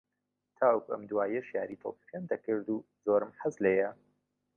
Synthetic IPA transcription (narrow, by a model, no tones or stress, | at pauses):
t̪ʰaːwukuʔɐ̰md̪uwaːjɐʃja̰ːɾit̪ʰo̰pi̥kend̪ɐkɨɾd̪u | zoːɾɨmħazlɐjɐ